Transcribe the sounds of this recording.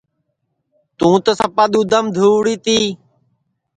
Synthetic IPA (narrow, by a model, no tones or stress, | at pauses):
t̪ũːt̪əsəpaːɗ̪uːd̪əmd̪ʱuːɽiːt̪iː